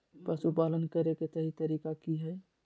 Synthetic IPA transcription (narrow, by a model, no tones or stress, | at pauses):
pəsupalənkəɾeket̪əɦit̪əɾikakiɦəj